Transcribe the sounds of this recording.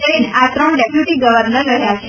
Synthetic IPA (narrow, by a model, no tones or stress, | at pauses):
əinʔat̪ɾəɳɖepjuʈiɡəʋəɾnəɾːəɦjat͡ʃʰ